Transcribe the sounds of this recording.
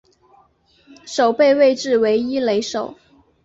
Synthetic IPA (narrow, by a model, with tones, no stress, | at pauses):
ʂo˨˩ʊpe˥˧ɪwe˥˧ɪʈ͡ʂɻ̩˥˩we˧˥ɪi˥le˧˥ɪʂo˨˩˦ʊ